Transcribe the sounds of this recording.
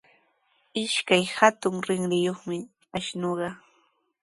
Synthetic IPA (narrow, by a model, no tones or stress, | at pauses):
ɪʃkajhat̪ʊŋɾɪŋɾɪjoχmɪ | aʃnoɢɑ